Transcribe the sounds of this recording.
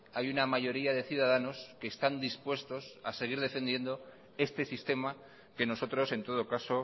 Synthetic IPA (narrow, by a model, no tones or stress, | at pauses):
ajunamaʝo̞ɾiaðe̞θjuðaðano̞ske̞ːst̪and̪ispwe̞st̪o̞sase̞ɣ̞iɾðe̞fe̞nd̪je̞nd̪o̞ | e̞st̪e̞sist̪e̞ma | ke̞no̞sot̪ɾo̞se̞nt̪o̞ð̞o̞kaso̞